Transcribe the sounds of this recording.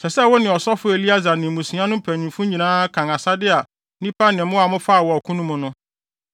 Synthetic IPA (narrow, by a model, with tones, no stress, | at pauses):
sɛ˨sɛ˦˨wɔ˦nɪ̃˨ɔ˨sɔ˦fʊ˦e˨li˦a˦za˨nɪ̃˨mũ˨sĩ˨˦ã˦nʊ̃˦m̩˦pʰæ˨ɲĩ˨mfʊ̃˦ɲĩ˨nãː˦kʰã˨ŋa˨sa˦dɪ˦a˨ | nĩ˦pʰa˦nɪ̃˨mʊ̃˦a˨mʊ̃˦fa˦˨wɔ˨ɔ˨kʰũ˦nũ˦mʊ̃˨nʊ̃˦